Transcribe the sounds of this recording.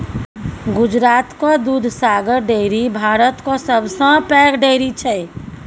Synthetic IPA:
ɡʊd͡ʒɾaːt̪kod̪ud̪ʱsaːɡəɾɖeɾibʱaːɾət̪kosəbʱsə̃pɛːkʰɖeːɾit͡ʃʰɛ

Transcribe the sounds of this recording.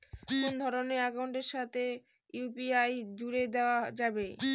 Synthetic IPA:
kond̪ʱɔɾoneɾakawɳʈeɾʃat̪ʰe | jupiajd͡ʑuɾed̪ead͡ʑabe

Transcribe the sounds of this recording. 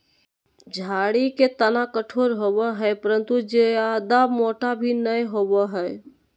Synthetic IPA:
d͡ʒʱaɽiket̪ənakəʈʰoɾɦobəɦəjpəɾənt̪ud͡ʒead̪amoʈabʱinəjɦobəɦəj

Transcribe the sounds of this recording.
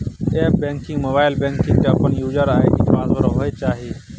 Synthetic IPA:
eːp̚bẽːŋkɪ̃ŋɡmoːbaːɪlbẽːŋkɪ̃ŋɡt̪ẽəpənjuːd͡ʒəɾaːɦeːkiːʈʰãːnzoɾoːɦoːeːt͡ʃaːɦeː

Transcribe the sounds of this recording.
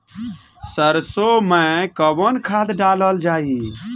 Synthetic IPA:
səɾsomẽkəbənkʰad̪ɖaləld͡ʒai

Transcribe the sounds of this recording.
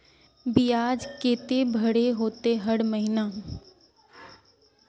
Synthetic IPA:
bɪjaːd͡ʒkeːt̪ebʱɐɽeɦoːt̪eɦɐɽməɦɪna

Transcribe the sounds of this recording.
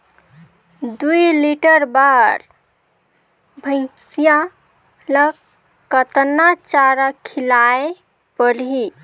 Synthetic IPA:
d̪ujliʈəɾbaɾ | bʱə̃ɪ̃sija | lək | kːət̪nat͡ʃaɾakʰilae | pəɽɦi

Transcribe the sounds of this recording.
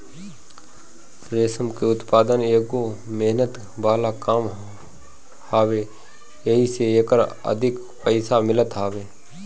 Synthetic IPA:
sɾeːsəmkeʊt̪paːd̪əneːɡomeɦnət̪ | baːlakaːm | haːwe | jəɦiseeːkəɾə̰d̪ʱɪk | pəɪsamɪlət̪ɦaːʋeː

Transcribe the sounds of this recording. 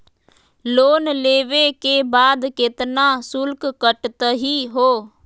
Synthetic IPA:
loːnleːʋekeːbaːd̪kɪt̪nãːsʊlkkəʈt̪əɦiːɦoː

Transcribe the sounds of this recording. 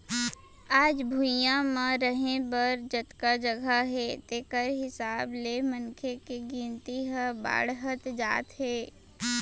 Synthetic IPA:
aːd͡ʒbʱujãmãɾəɦẽbəɾd͡ʒət̪kad͡ʒəɡʱaɦɛːt̪eːkəɾɦɪsaːblemənkʰekeɡĩːnt̪iɦəba̰ːɽɦət̪d͡ʒa̰ːt̪ɦɛː

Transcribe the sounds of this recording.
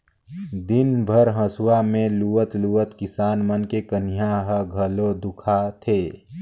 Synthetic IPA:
d̪ɪnbʱəɾɦə̃swamẽluət̪luət̪kɪsaːnmənkekənijaɦəɡʱəlod̪ukʰat̪ʰeː

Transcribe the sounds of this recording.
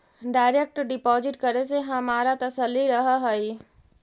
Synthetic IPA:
ɖaɪɾek̚ʈɖɪpɔːzɪʈkəɾeseɦəmaɾat̪əsəlːiɾəɦəɦəj

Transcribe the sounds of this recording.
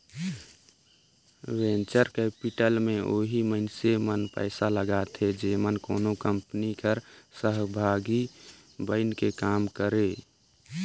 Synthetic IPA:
wẽnt͡ʃəɾkɛpiʈəlmẽʔoːɦiməɪnsemənpə̰ɪsaləɡat̪ʰed͡ʒemənkoːnokəmpnikəɾsəɦbʱaːɡi | bəɪnkekaːmkəɾe

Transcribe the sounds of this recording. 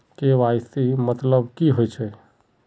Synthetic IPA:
keʋajsimət̪ləbkiɦojt͡ʃʰɛ

